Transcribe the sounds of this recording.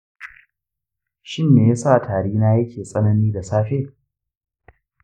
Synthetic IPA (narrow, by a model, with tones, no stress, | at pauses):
ʃɪ˦˨nːeː˨ja˦sa˦ʔtʰaː˨ɽiː˦naː˦jɐ˦kʲʰeː˨sʼɐ˦nɐ˦niː˦da˨saː˦ɸeː˦˨